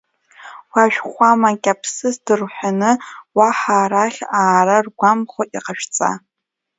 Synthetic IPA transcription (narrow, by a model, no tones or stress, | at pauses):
waʒᶣχʷamakʲʼapʰsɨsdɨrħʷᶣanɨwaħaːɾaχʲaːɾarɡʷamχʷoʔiqaʃᶣt͡sʼa̰